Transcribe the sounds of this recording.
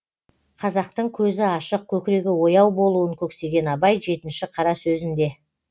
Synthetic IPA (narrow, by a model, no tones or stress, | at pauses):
qʰɑzɑq̚t̪əɴkʲʰɵzɪɑʃəq̚kʲʰɵkʲɪɾe̞ɡʲɪwo̞jɑwbo̞lˠuəŋkʲʰɵkse̞ɡʲe̞nɑbɑjʒe̞t̪ɪnʃɪqʰɑɾɑsɵzɪnd̪e̞